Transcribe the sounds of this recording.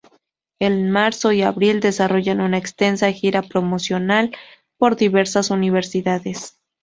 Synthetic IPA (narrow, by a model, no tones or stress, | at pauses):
enmaɾso̞iaβɾild̪e̞saro̞ʝanunaekst̪e̞nsaxiɾapɾo̞mo̞sjo̞nal | po̞ɾðiβe̞ɾsasuniβe̞ɾsiðaðe̞s